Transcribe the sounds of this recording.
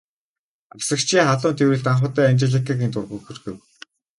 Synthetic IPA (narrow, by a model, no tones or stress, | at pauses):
awsə̆kt͡ɕʰiːŋχaɮʊːnt̪ʰewɘ̆ɮt̪aɴχʊːt̪æːant͡ɕɪ̆ɮə̆kɘ̆kent̪ʊrʁuxɵ̆rɣɘ̆w